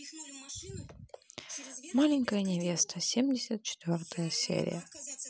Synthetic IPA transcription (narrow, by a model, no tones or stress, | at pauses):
malʲɪnʲkəjənʲɪvʲest̪əsʲemdʲɪsʲət̪̚t͡ɕɪ̥t̪vʲort̪əjəsʲḛɾʲɪ̰jə